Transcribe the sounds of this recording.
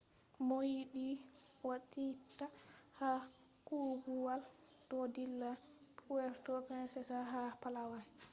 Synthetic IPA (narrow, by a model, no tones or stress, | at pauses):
mojiɗiwaɗitaha | kuɡuwaldɔdilːapʰuwɛɾtɔpɛnsɛsaɦapalawa